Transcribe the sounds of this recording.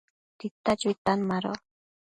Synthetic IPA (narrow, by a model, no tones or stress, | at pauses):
t̪it̪ːad͡ʒit̪anmaɾo̰